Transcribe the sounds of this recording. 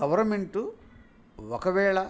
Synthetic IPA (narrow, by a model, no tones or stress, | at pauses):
ɐʋɐɾmeɳʈu | ɔkɐʋɛːɭɐ